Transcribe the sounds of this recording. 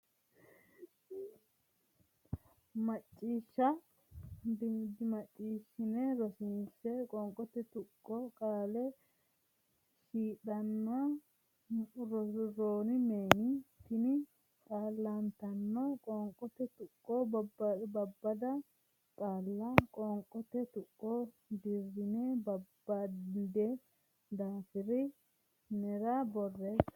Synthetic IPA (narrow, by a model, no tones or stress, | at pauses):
mɐt͡ʃʼːiːʃːɐ | d̪mɐt͡ʃʼːiːʃɪnɛɾɔsɪnsɛkʼɔŋkʼɔt̪ːɛt̪ʊkʼːɔkʼaːlɛ | ʃiːᶑɐnːa | ɾɔɾoːnɪmeːnɪt̪ɪnɪ | kʼaːlːant̪ɐnːɔkʼɔːŋkʼɔt̪ɛt̪ʊkʼːobbbɐbːɐd̪ɐ | kʼaːlːakʼɔŋkʼːɔt̪ɛt̪ʊkʼːo | d̪ɪɾːɪneːbɐbːɐd̪ɛ | d̪aːfɪɾɪ | nɛɾabɔrːɛs